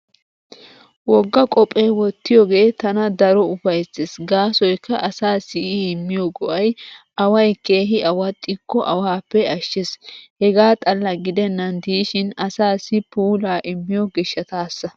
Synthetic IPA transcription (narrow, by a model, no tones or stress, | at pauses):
wɔɡːɐkʼɔpʼːeːwɔt̪ːɪjɔɡe̞ːt̪ɐnɐd̪ɐɾɔʊfɐjt͡sːɪsɡaːsɔjkːɐʔɐsaːsɪʔɪɪmːɪjɔɡɔʔɐjʔɐwɐjke̞ːɦɪʔɐwɐt̪ʼːɪkːɔʔɐwaːpːɛɐʃːɪshɛɡaːt̪ʼɐlːɐɡɪd̪ɛnːɐnd̪iːʃɪnɐsaːsɪpuːlaːʔɪmːɪjɔɡɛʃːɐt̪aːsːɐ